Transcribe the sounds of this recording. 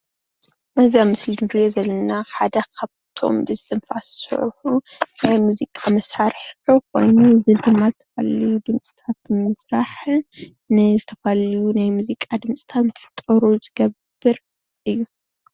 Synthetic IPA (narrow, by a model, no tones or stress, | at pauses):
mɐzamɨslinnɨɾijozɐlːɐnaħad̪ɐkʰaβt̪ʰo̞̰mbɨzɨt̪ʰɨnfassɨ̰ʕħunajmuzikʼamɐsaɾħħukʰo̞̰jnuzɨd̪ɨmːazɨt̪ʰɐ̥fa̰lɐjud̪ɨmt͡sʼi̥t̪ʰat̪̚mɨsɾaħ | nɨzɨt̪ʰɐfaljunajmuzikʼad̪ɨmt͡sʼi̥t̪ʰat̪mɐfɨt̪ʼɐɾuzɨɡɐbːɨɾ | ʔɨjːu